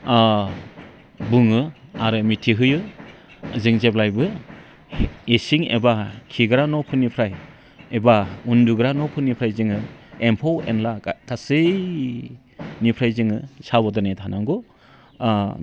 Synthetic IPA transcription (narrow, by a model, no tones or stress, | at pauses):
buŋɯaɾɯmitʰiɦɯjɯ | zɯŋzep̚lajbɯ | esiŋḛbakʰiɡɾanɔpʰɯnipʰɾaj | ebaunduɡɾanɔpʰɯnipʰɾajzɯŋɯempʰowḛnlakʰasɯj | nipʰɾajzɯŋɯsabɔdɯnajtʰanaŋɡɔ